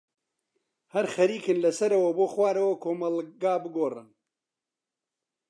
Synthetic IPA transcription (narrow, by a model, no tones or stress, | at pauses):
hɐɾxɐɾiːkɨnlɐsɐɾɐwɐboːxwaːɾɐwɐkʰoːmɐlɡaːbɨɡoːrɨ̰n